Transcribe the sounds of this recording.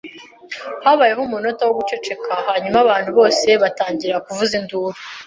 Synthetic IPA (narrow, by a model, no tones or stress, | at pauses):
haβajeɦumuno̞tawoɡut͡ʃe̞t͡ʃe̞kʰahaɲumaβaːnhuβo̞ːse̞βataːɲɟiɾakuvuzinduːɾo